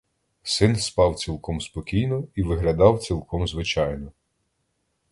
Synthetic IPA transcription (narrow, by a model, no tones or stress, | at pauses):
sɪnspɑwt͡sʲilˠkɔmspɔkʲijnɔiʋɪɦlʲɐd̪ɑwt͡sʲilˠkʰɔmzʋɪt͡ʃɑjnɔ